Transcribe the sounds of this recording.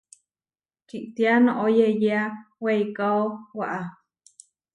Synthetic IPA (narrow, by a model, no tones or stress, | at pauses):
t͡ʃiʔt̪ianõʔojejeawejkaowaʔa